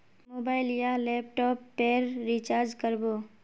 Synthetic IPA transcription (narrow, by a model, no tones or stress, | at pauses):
moːbaːɪljaleːp̚ʈɔːpːeːɾːit͡ʃaːɾd͡ʒkəɾboː